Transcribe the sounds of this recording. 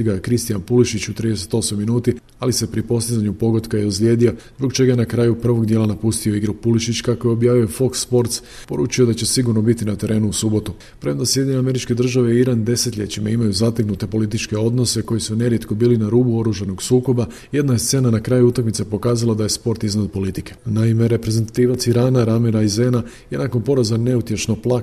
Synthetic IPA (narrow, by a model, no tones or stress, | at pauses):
iɡakɾist̪ijanpuliʃit͡ɕut̪ɾiːd̪ese̞t̪o̞smojminuːt̪i | alise̞pɾipo̞st̪izaɲupo̞ɡo̞d̪kajeuzlʲjed̪io̞zbokt͡ʃe̞ɡaje̞nakɾaːjupr̩ʋo̞ɡd̪jelanapust̪io̞iɡɾupuliʃit͡ɕkakojeo̞bjaːʋio̞fo̞ksːpo̞ɾt̪spo̞ɾuːt͡ʃijo̞d̪at͡ɕe̞siɡuɾno̞bit̪inat̪e̞ɾʔe̞ːnuusubo̞t̪u | pɾemnd̪asje̞d̪ʲjɲeneame̞ɾit͡ʃke̞d̪r̩ʒaʋeiiɾand̪e̞set̪ʎʲe̞̰t͡ɕimaimajuzat̪eknut̪e̞po̞lit̪it͡ʃke̞o̞d̪no̞se̞ko̞jisune̞ɾje̞t̪ko̞biːlinaɾuːbuo̞ɾuʒano̞ɡsuːko̞ba | je̞d̪naest̪se̞ːnanakɾaːjuut̪akmit̪sepo̞kaːzalˠad̪aje̞spo̞ɾt̪iznad̪̚po̞lit̪ike̞̥naime̞ɾe̞pɾe̞zent̪at̪iːʋat̪siɾaːnaɾamiɾajzenajenakonpo̞ɾazane̞ut̪je̞ʃnoplˠa